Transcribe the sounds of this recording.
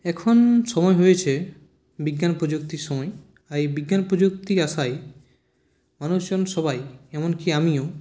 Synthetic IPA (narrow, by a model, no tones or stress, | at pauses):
ɛkʰonʃɔmɔeɦojet͡ɕʰe | biɡːanpɾod͡ʑuk̚t̪iɾʃɔmɔe | ajbiɡːanpɾod͡ʑok̚t̪iaʃaj | manuʃd͡ʑonʃɔbajɛmonkiamio